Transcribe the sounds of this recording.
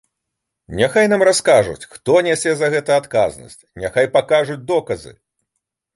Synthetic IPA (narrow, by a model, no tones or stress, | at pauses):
nʲaxajnamraskaʐṵt͡sʲxt̪ɔnʲɛsʲɛzɐɣɛt̪ɐat̪kaznɐ̰sʲt͡sʲnʲaxajpakaʐud͡zʲd̪ɔkɐzɨ̰